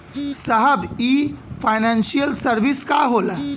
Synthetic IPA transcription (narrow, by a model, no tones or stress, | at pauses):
səɦəbiːfajnãnsijəlsəɾʋiskaɦoːla